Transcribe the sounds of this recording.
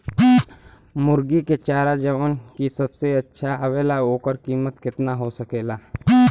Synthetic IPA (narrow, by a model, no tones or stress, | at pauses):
mʊɾɡiket͡ʃaːɾad͡ʒɐʋaːnkisɐbseɐtːʃʰaɐʋeːlaɦoːkəɾkiːmət̪kɪt̪naɦosɐkeːlaː